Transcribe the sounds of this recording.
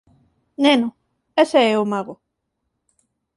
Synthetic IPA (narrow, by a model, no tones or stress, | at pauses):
nenʊ | eseɛomaɣo